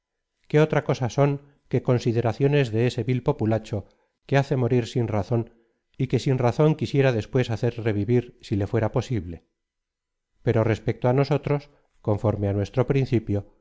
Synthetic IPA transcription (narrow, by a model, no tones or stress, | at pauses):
ke̞o̞t̪ɾako̞saso̞ŋ | ke̞ko̞nsið̞e̞ɾaθjo̞ne̞zðe̞ese̞βilpo̞pulat͡ʃo̞ | ke̞aθe̞mo̞ɾiɾsinraθo̞n | ike̞sinraθo̞ŋkisje̞ɾaðe̞spwe̞saθe̞ɾre̞βiβiɾsile̞fwe̞ɾapo̞siβle̞ | pe̞ɾo̞re̞spe̞k̚t̪oano̞so̞t̪ɾo̞s | ko̞ɱfo̞ɾmeanwe̞st̪ɾo̞pɾin̟θipjo̞